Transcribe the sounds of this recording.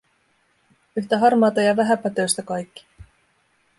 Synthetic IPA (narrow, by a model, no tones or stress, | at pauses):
yçt̪æɦɑrmɑːt̪ɑjɑʋæɦæpæt̪øst̪ækɑjkːi̥